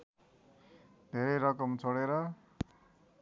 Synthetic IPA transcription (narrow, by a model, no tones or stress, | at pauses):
d̪ʱeɾʌjɾʌkʌmt͡sʰʌɽeɾʌ